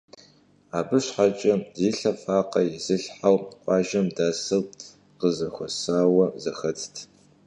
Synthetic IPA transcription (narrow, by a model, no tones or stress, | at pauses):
aːbɨɕħat͡ʃʼɐziːɬɐfaːqɐjɪzɨɬħawqʷʼɑːʒɐmdaːsɐw | qəzɐxʷɔsaːwɐzɐxɐt͡sʰtʰ